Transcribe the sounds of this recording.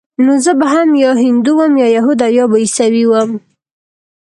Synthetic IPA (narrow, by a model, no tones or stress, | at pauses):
nozəbaɦamjɑɦɪnd̪uwəmjɑjaɦud̪ajɑbaisawiwəm